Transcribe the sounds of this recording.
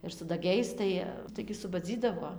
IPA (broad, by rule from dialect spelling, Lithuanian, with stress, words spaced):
ɪr sʊ dɐˈɡʲɛɪs ˈtɐɪ ˈtɐɪɡʲɪ sʊbɐˈd͡zʲiːdɐʋoː